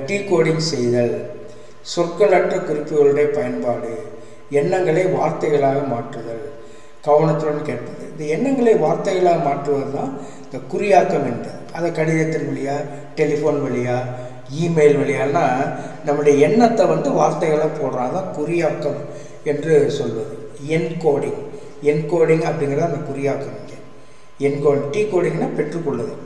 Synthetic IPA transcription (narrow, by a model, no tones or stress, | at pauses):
ɖikoːɽɪŋsɛjðɐɭ | sɔrkɐlɐʈrɐkʊɾɪpːɯɣɐɭɯɽeːɐpɐjɐnpaːɽɯ | ɛnːɐŋɡɐɭɐɪʋaːɾt̪ɐɪɣɐɭaːɣɐmaːʈrɯðɐɭ | ɡ̥ɐʋɐɳɐt̪ːɯɾɐnːkeːʈ̚pɐðɯɪnd̪ɐɛnːɐŋɡɐɭɐɪʋaːɾt̪ɐɪɣɐɭaːɣɐmaːʈɾɯʋɐðɯt̪ãː | ɪnd̪ɐkʊɾɪjaːkːɐmɛndrɐðɯɐðɐkɐɽɪðɐt̪ːɪnʋɐɭɪjaː | ʈɛlɪfoːnʋɐɭɪjaː | iːmeːlʋɐɭɪjaːlnaː | nɐmːɯɽɐjɐɛnːɐt̪ːɐʋɐnd̪ɯʋaːɾt̪ɐɪɣɐɭãːpoːɽɾãːɐt̪ãːkʊɾɪjaːkːɐm | ɛndrɯsɔlʋɐðɯ | ɛnkoːɽɪŋ | ɛnkoːɽɪŋɡɐpːɐɽɪŋɡɪɾɐðaːɐnd̪ɐkʊɾɪjaːkːɐmɪnɡɐ | ɛnkoːɽɪŋʈiːkoːɽɪŋɡɐnːaːpɛʈrɯkːɔɭːɐðɯ